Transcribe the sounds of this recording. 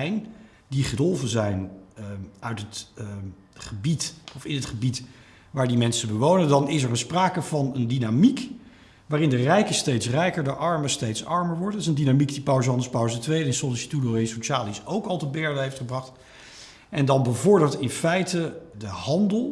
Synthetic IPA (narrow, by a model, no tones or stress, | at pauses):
jn | diχədølˠvənzɛjn | œɥtɦət | χəbitɔfɪnətχəbit | ʋaːɹdimɛnsəbəʋownəndɑnɪsɛɹənspraːkəvɑnəndinamik | ʋaːrɪndərɛjkəstejtsrɛjkəɹdəʔɑɹməstejtsɑɹməɹʋɔɹdɪsəndinamikdipawzəɦɑndəɹspawztʋejdəɪnsɔlisi̥tudoesoʃaːlisowkɑlˠtəbɛɹdəɦejftχəbrɑχt | ʔɛndɑnbəvʊɹdəɹtɪnfɛjtədəhɑndəlˠ